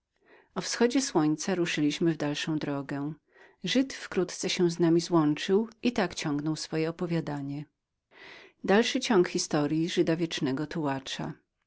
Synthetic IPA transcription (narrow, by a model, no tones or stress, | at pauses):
ɔfsxɔd͡ʑɛswɔɲt̪saɾuʂɘlʲiɕmɘvd̪alʂɔ̃w̃d̪ɾɔɡɛ | ʐɘt̪fkɾut̪t̪sɛɕɛ̃znamʲizwɔnt͡ʂɘwit̪akt͡ɕɔ̃ŋɡnɔwsfɔjɛɔpɔvʲjad̪aɲɛ | d̪alʂɘt͡ɕɔŋkxʲist̪ɔɾʲjiʐɘd̪avʲjɛt͡ʂnɛɡɔt̪uwat͡ʂa̰